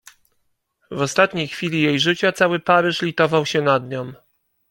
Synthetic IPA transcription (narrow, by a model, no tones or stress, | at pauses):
vɔst̪at̪ɲejxfʲilʲijejʐɘt͡ɕat̪sawɘpaɾɘʂlʲit̪ɔvawɕɛnad̪ɲɔm